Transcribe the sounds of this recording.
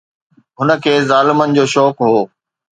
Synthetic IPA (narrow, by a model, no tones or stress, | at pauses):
ɦʊnə̆kʰeːzaːlɪmənɪ̆d͡ʑoːʃɔːkɦoː